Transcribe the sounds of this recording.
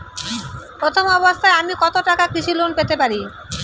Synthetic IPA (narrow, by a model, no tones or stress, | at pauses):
pɾot̪ʰomɔbost̪ʰaeamikɔt̪oʈakakɾiʃilunpet̪epaɾi